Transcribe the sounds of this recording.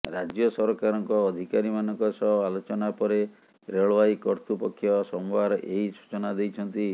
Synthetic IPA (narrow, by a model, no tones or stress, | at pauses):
ɾad͡ʒjɔsɔɾkaɾɔŋkɔːd̪ʱikaɾimanɔŋkɔsɔɦɔalot͡ʃɔnapɔɾe | ɾeɭɔwajkɔɾt̪upɔkʰːjɔsɔmɔwaɾʔeɦisu̥t͡ʃɔnad̪ejt͡ʃʰɔnt̪i